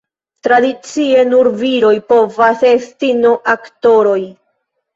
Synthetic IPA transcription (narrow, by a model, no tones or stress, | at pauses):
tɾadit͡sie̞nuɾviɾo̞jpo̞vase̞stinoʔakto̞ɾo̞j